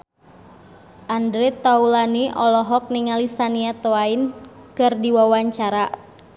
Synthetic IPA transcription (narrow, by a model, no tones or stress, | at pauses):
ʔandɾit̪ːaulaniʔɔlɔɦɔk̚niŋalisaniat̪oain | kɨrdiwawaɲt͡ʃaɾa